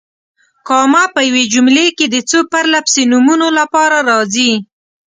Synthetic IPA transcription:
kɑmapəjawed͡ʒumleked̪ət͡səpaɾlapsenumunolapɑɾaɾɑzi

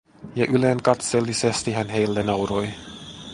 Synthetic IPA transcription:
jɑʔyle̞ŋkɑt̪selːisest̪iɦænɦe̞jlːenɑwɾoj

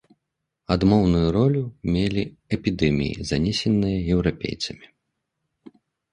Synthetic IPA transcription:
ad̪mɔwnujuɾɔlʲumʲelʲi | ɛpʲid̪ɛmʲḭjḭzanʲɛsʲɛnːɨjɐjɛwɾapʲḛjt̪sɐmʲi

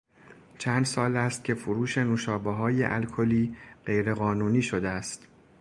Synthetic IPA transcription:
t͡ʃʰæːnd̪sɒːlæst̪̚cʰe̞foɾuːʃe̞nuʃɒːbeɦɒːjḛʔælkʰoliːɢe̞jɾe̞ɣɒːnuːniːʃod̪eæst̪

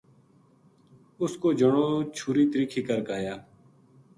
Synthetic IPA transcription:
ʊskoːd͡ʒəɳoːt͡ʃʰuːɾiːt̪əɾiːkʰiːkəɾkaːjaː

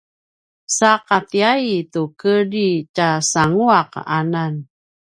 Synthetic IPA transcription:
saqatiaitukədicasaŋuaqanan

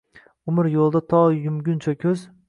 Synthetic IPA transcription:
ʊmɪɾjolˠd̪at̪ʰɒjʊmɡʲʊnt͡ʃʰakʲʰɵz

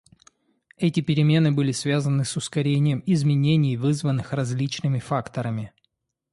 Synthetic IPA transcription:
ɛtʲɪpʲɪɾʲɪmʲe̞nɨbɨlʲɪsvʲazənɨsʊskɐɾʲenʲɪjəmɪzmʲɪnʲenʲɪjvɨzvənːɨxrɐzʲlʲit͡ɕnɨmʲɪfakt̪əɾəmʲɪ

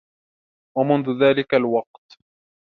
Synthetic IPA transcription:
wamʊnðʊðaːlɪkalwɑq̚t̪

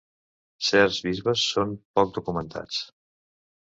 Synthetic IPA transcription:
sɛɾzβizβəsːompɔk̚d̪ukumənt̪ʰa̰t͡s

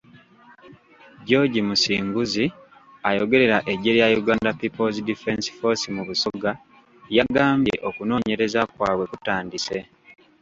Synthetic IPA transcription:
ɟo̞ɟimusiːŋɡuzi | ajo̞ɡe̞ɾe̞ɾaʔe̞ɟe̞ljajuɡaːndapipolzidife̞nsfo̞simuβusoɡa | jaɡaːmbeʔo̞kuno̞ːɲe̞ɾe̞zakwaːβwe̞kutaːndise̞

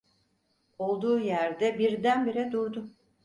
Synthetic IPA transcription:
o̞lˠd̪uːjæɾd̪ɛbiɾd̪ænbiɾɛd̪uɾd̪ʊ

